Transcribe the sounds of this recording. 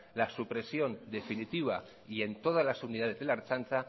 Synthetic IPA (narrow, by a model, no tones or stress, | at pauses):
lasupɾe̞sjo̞nd̪e̞finit̪iβa | ie̞nt̪o̞ð̞azlasuniðaðe̞zðelaɾt͡ʃanta